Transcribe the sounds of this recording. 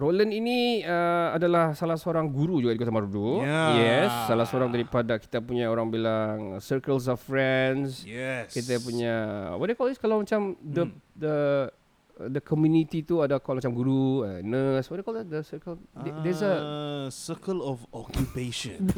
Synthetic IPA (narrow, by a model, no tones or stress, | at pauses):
ɾoləniniəadalahsalahsoɾaŋɡuɾud͡ʒuɡadikot̪amaɾudujɛsːalasəoɾaŋdaɾipadaki̥t̪apuɲaoɾaŋbilaŋsəkəls̬ɔffɹɛnsjɛskit̪̬apuɲa̰wɔt̚dekɔliskalawmat͡ʃamd̪ədə̰ | dəkʰɔmjunit̪it̪uadakɔlmat͡ʃamɡuɾuənəswɔtdekɔldəsəkəlddɛsəsəkəlɔfɔkjupeʃɔ̃n